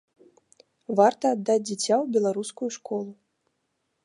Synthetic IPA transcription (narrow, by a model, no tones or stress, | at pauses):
vart̪ɐːd̪ːad͡zʲd͡zʲit͡sʲawbʲɛlˠaɾuskujuʂkʰɔlˠu